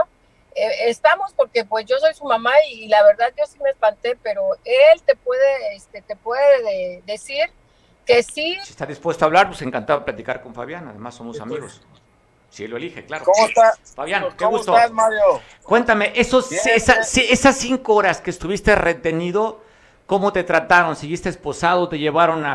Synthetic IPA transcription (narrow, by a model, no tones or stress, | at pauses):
o | eest̪amo̞spo̞ɾke̞pwe̞zʝo̞so̞jsumamailaβ̞e̞ɾðaðʝo̞simespant̪e̞pe̞ɾo̞e̞lt̪e̞pwe̞ðe̞est̪e̞t̪e̞pwe̞ðeðeðe̞siɾ | ke̞sisie̥st̪aðispwest̪oaβlaɾpwese̞ŋkant̪aβaplat̪ikaɾko̞ɱfa̰βjana̰ðe̞̰masːo̞mossa̰miɣo̰s | sieloelixeklaɾooot̪a | faβjankeɣust̪oamajo | kwe̞nt̪ame̞ʔesosesasie̞sasːiŋkooɾaske̞ːst̪uβist̪e̞re̞t̪e̞niðo̞ | ko̞mo̞t̪e̞t̪ɾat̪aɾo̞nsiɣist̪espo̞saðo̞t̪e̞ʝe̞βaɾo̞na